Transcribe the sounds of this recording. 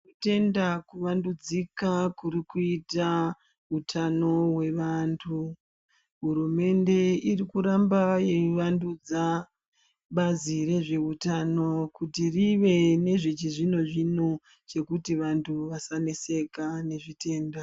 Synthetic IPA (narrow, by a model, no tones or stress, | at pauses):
kute̞ndakuʋandud͡zikakuɾikuita | ɦutʰano̞we̞ʋantʰu | ɦurume̞nde̞irikuɾambaje̞ʋandud͡za | ɓaziɾe̞ʐe̞utano̞kutiriʋe̞ne̞ʐit͡ʃiʐino̞ʐino̞ | t͡ʃe̞kutiʋantʰuʋasanese̞kane̞ʐite̞ːnda